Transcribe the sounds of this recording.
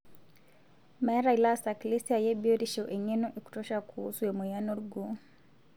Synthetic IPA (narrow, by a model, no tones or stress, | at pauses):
maɛɾailasaklisiajɛbiɔɾiʃɔʔɛɲɛnɔʔiku̥tɔʃakʰuṵsuɛmɛjanɔɾuɡu